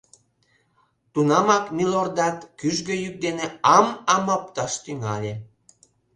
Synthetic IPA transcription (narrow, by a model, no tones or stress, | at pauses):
t̪unɑmɑkmʲilord̪ɑt̪kyʒɡøjyk̚d̪eneɑmɑmɑp̚t̪ɑʃt̪yŋɑlʲe